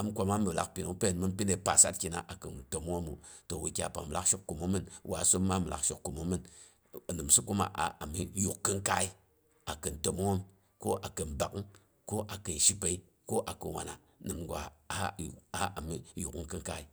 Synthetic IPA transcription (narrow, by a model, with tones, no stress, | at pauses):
a˨m˦kʷa˧ma˦mi˨la˦kpi˨nu˨˦pe˦˨nmɨ˦n˦pi˦ne˨pa˨sa̰˦t̚kʲi˨na̰˨ʔa˨kɨ˨nto˨m˦o˦mṵ˨to˨wi˨kʲa˨pa̰˨mɨ˨la˦ʃo˦kːu˨mo˦mɨ˦nwa˨˦so˦mː˦a˦mɨ˨lʔa̰˨kʃo̰˦kːu˨mo˨˦mɨ˦n˨ | nɨ˨msu˦ku˦ma̰˨ʔa̰˨a˨mi˦ju˨kːɨ˦ŋ˦ka˦i˦ | a˨kɨ˨n˨to˨m˦o˦m | ko˦ʔa˨kɨ˨nba˨kn | ko˦ʔa˨kɨ˨n˨ʃi˦pe˨i˦ | ko˦ʔa˨kɨ˨wa̰˨na˨ | nɨ˨mɡʷa˨a˨˦˨a˨˦a˨mi˦ju˨kkɨ˦ŋka˦i˦